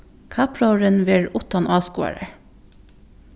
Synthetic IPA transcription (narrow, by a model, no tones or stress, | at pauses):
kʰɑpʰɹɑɹənʋɪɹʊt̪ɑnʔɑːskṵːæ̰ɹə